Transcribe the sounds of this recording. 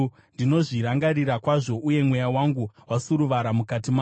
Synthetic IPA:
ndino̞ʐiɾaŋɡaɾiɾakwaʐo̞ʔuje̞mwe̞jawaŋɡuwasuɾuʋaɾamukatima

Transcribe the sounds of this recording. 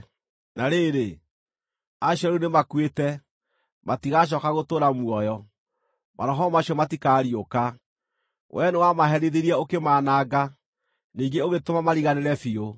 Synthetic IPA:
naɾeːɾe | aɕɔɾunemakwetɛ | matiɣaɕ̬ɔkaɣotoːɾamwɔjɔ | mʔa̰ɾɔɦɔmaɕiɔmatikaːɾioka | wʔɛnewamaɦɛɾeðeɾiɛokemaːnaːɡa | niːŋɡeoɣetomamaɾiɣaneɾɛfio

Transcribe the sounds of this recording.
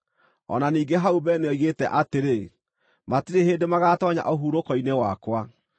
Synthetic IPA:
ɔ̰naniːɡeɦaubɛneɔiɣetɛ̰ʔateɾe | matiɾeheːndemaɣatɔɲa̰ʔoɦuɾokɔinewakwa

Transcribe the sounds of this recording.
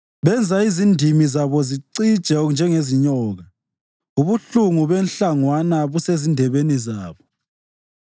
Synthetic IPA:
βɛnd͡zʱaizindʱimizaβɔziǀid̥ʒ̥ʱɛnd͡ʒʱɛŋeziɲɔːɣa | uβuɬuŋuβɛnɬaŋwanaβusezindʱɛβenizaːβɔ

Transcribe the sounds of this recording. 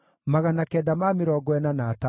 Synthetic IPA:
maɣanakɛːdamamɪɾɔɡɔɛnanaːta

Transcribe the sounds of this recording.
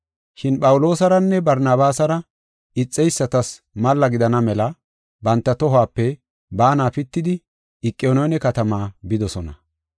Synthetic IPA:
ʃɪnpʼɐwʊlo̞ːsɐɾɐnːɛbɐɾnaːbaːsɐɾɐ | ɪt͡sʼːɛjsːɐt̪ɐs | mɐlːɐɡɪd̪ɐnɐmɛlɐ | bɐnt̪ːɐt̪ɔɦʊaːpːɛ | baːnaːfɪt̪ːɪd̪ɪ | ɪkʼːɪoːnɔnɛkɐt̪ɐmaːbɪd̪ɔsɔnɐ̰

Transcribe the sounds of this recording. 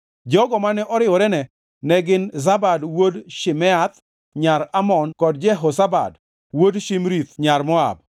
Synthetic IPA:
d͡ʒɔɡɔmanɛʔɔɾɪwɔɾɛnɛ | nɛɡɪnzabadwodʃɪmɛat̪̚ | ɲaɾamɔnkɔd̚d͡ʒɛɦosaba̰d | wodʃimɾit̪ɲarmɔa̰b̚

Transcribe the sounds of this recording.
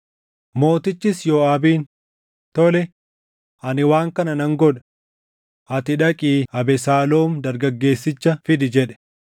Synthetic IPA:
mo̞ːt̪ɪt͡ʃːɪsjoːɐbiːn | t̪ɔlɛ | ʔɐnɪwaːŋkɐnɐnɐŋɡɔᶑɐ̥ | ʔɐt̪ɪᶑɐkʼiːɐbɛsaːloːmd̪ɐɾɡɐɡːe̞ːsːɪt͡ʃːɐfɪd̪ɪd͡ʒɛᶑɛ̥

